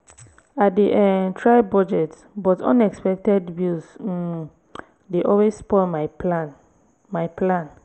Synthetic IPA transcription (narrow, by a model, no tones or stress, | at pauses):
at̚diʔɛtʰɹaɪbɔd͡ʒɛt | bɔtʰɔ̰̃nɛkspɛk̚tɛdbjus̩ | deʔɔlwesspɔman | majpʰlãn